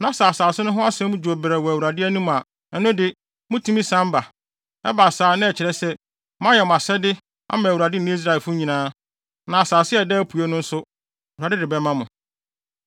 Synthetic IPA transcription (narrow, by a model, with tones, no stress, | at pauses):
nã˨sa˨saː˨sɪ˦nʊ̃˦ɦʊ̃˦a˦sɛ̃˦mʊ̃˦d͡ʑu˨o˨bɾɛ˨wɔ˨æ˨wu˨ɾa˨dɪ˦æ˦nũ˦m˨a˨ | ɛ˨˦nʊ̃˦dɪ˦ | mʊ̃˦tʰũ˦mĩ˦sã˦m˦ba˨ | ɛ̰˦ba˨saː˨˦nɪ̃˦ɛ˨t͡ɕʰɪ˨ɾɛ˦sɛ˦ | mã˦jɛ˨m˨a˨sɛ˦dɪ˦ | ã̰˦mã˨wu˨ɾa˨dɪ˦˨nʊ̃˦i˦s̬ɾa˦˨ɛ˨fʊ˦ɲĩ˨nãː˦ | nã˨a˨saː˨sɪ˦ɛ˨dɛ˦æ˦pʰu˨e˦nʊ̃˦n̩˦sʊ˦˨ | wu˨a˨dɪ˦dɪ˨bɛ˦mã˦mʊ̃˨